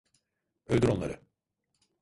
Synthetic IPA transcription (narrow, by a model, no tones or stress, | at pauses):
øld̪yɾo̞nlˠa̰ɾɯ